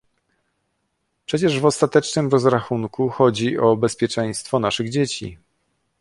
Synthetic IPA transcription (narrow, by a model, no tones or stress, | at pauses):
pʂɛt͡ɕɛʐvɔst̪at̪ɛt͡ʂnɘmɾɔzɾaxunkuxɔd͡ʑiʔɔbɛspʲjɛt͡ʂɛj̃st̪fɔnaʂɘɣd͡ʑet͡ɕḭ